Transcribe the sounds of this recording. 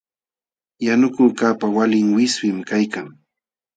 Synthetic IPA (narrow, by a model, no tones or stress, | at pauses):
janʊkʊːkaːpawalɪŋwɪswɪmkajkaŋ